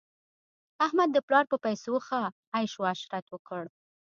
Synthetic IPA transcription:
ahmad̪̚ːəplɑɾpəpajsoxaː | jʃwaʃɾat̪wəkəɽ

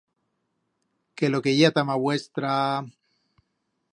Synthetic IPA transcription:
kelokeʝat̪amaβwest̪ɾa

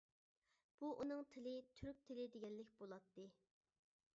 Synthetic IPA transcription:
b̥uʔunɨŋt̪ʰɪlɪt̪ʰyɾk̚ʲt̪ʰɪlɪd̪eɡʲɛnːɪkʲbolˠɑt̪ːɨ

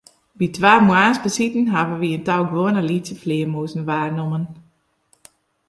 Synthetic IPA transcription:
ʋitʋaːrmuaːnsbəsitn̩ɦaʋəʋiəntawɡʋoənəlitsjəflɪəmuːsn̩ʋaːrnomən

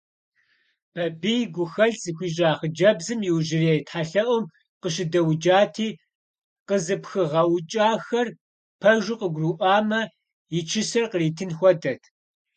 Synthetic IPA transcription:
b̥ʰɐbijɡʷʊxɐɮz̥ɨxʷiːɕ̬ʼaːχəd͡ʒɐbzɨmjɪwʒɪreːjtħaɬɐʔʷɔm | qəɕɪdɐwd͡ʒaːtʰiː | qəzɨpxɨʁɐwt͡ʃʼaːxɐr | pʰɐʒʷɪqəɡʷruːʔʷɑːmɐ | jɪt͡ʃʰɪsɐrqəriːtʰɨnxʷɔdɐtʰ

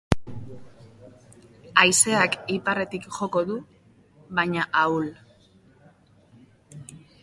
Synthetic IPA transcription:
ajse̞akipare̞t̪ikʝo̞ko̞ðu | βajɲaʔawl

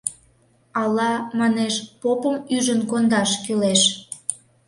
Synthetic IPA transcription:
ɑlɑmɑneʃpopəmyʒənkond̪ɑʃkyleʃ

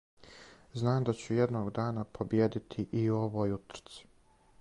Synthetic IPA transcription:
znaːmd̪at͡ɕujed̪noːɡd̪aːnapʰo̞bjeːd̪it̪ʰiʔio̞ʋoːjut̪ɾ̥t̪si̥

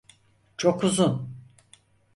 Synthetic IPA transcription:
t͡ʃʰokuzun

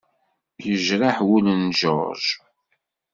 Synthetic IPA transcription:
jəʒɾaħwulənʒo̰ɾʒ

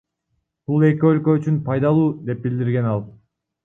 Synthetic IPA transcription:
b̥ulˠe̞k̬ø̞lkø̞yt͡ʃynpʰɑjd̪ɑlˠuːd̪e̞p̚bild̪iɾɡe̞nɑlˠ

